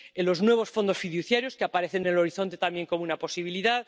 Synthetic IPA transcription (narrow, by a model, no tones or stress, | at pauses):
elo̞znwe̞β̞o̞sfo̞nd̪o̞sfiðuθjaɾjo̞skeapaɾe̞θenelo̞ɾiθo̞nt̪e̞t̪ambje̞ŋko̞munapo̞siβ̞iliðað